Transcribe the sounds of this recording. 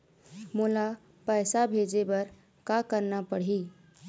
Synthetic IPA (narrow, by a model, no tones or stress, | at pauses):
mula | pəːsabʱed͡ʒebəɾ | kakəɾnapəɽ̤i